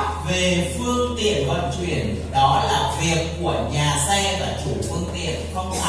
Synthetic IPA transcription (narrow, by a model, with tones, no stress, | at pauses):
ve˨˩fɨ˧əŋt̪ḭ˧˨ənhwə̰˧˨nt͡ɕwḭ˧˩˨ən | ɗɔ˨˦laː˨˩vi˨˩əkːu˧˩əɲaː˨˩sɛ˧vaː˨˩t͡ɕu˧˩fɨ˧əŋt̪ḭ˨˩˨ənxə˧wŋ͡ma˧